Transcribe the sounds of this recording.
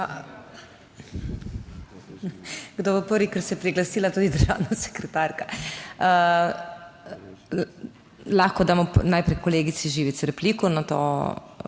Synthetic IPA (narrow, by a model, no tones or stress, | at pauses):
a | ɡd̪obɔpəɾʋikəɾsɛɛpɾiɡlasiːlat̪uːd̪id̪əɾʒa̰ːwnasɛ̥kɾɛt̪aɾkaə | laxkɔd̪aːmɔnajpɾɛjkoleːɡit̪siʒiːʋit̪sɾɛpliːkunat̪o̰ː